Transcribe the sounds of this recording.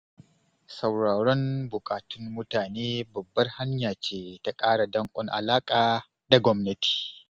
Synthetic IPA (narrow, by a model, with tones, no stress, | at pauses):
sɐ˨wɽaː˨ɽɔ˦mbʊ˨kʼaː˨tʊ˦nːʊ˦taː˨neː˦bɐ˨bːɐ˦rha˦ɲjaː˨t͡ʃeː˦ta˨kʼaː˦ɽa˨dɐ˦ŋkʷʼɔ˦ŋʔa̰˨laː˦kʼaː˨ | da˨ɡʷɔ˦mnɐ˦ti̥ː˨